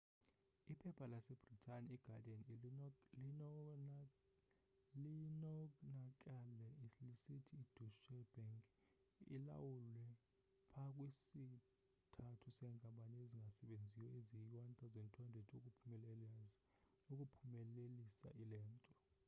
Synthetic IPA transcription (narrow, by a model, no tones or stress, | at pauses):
ipʰɛpʰalasɛb̥ritʰʼaniiɡ̥ʱadan | linɔnakʼalɛilisitʰiːd̥ʱuʃɛb̥aŋkʼ | ḭla̰wulwɛ | pʰakʼwisi | tʰatʰusɛŋkʼamɓʼanieziŋɡʱasɛɓend͡zʱijɔeziwant̪ʰʼazɛntʰʼɔndʱɛtʰʼukʼupʰumɛlɛlaz | uk̬ʼupʰumɛlelisa̰ʔilɛːntʼɔ